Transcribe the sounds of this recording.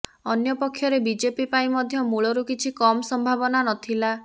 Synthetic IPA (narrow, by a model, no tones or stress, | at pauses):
ɔnjɔpɔkʰːjɔɾebid͡ʒepipaimɔd̪ʱjɔmuɭɔɾukit͡ʃʰikɔmɔsɔmbʱabɔnanɔt̪ʰila